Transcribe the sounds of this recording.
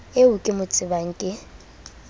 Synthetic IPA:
eʊkʼɪmʊt͡sʼɪbaŋ̩kʼɪ

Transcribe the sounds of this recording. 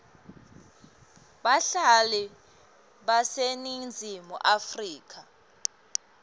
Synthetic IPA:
ɓaɬalɛ | ɓasenind͡zʱimṵʔafriːk̬ʰʼa

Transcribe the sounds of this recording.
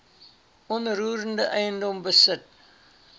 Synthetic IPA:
ɔnɾuːɾəndəʔɛjəndɔmbəsət̚

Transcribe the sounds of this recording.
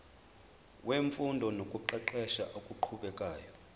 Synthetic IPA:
weɱfundʱɔnokʼuǃɛǃɛʃaʔokʼuǃʰuɓɛkʼaːjɔ

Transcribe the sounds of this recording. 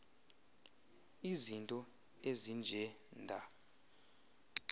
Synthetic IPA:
izintʼɔ | ezind͡ʒʱɛ | ndʱa

